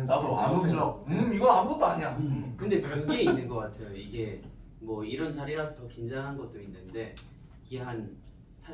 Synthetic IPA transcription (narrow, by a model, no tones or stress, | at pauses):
apʰoamoɯʌɯmiɡʌamuɡʌt͈oaɲakɯnde̞kʌɡeinːɯnɡʌk͈atʰe̞joiɡe̞ | mwʌiɾʌnt͡ɕaɾiɾasʰʌtʌkind͡ʑaŋɦanɡʌt̚t͈oinːɯnde̞ | iɡe̞ɦan | sʰa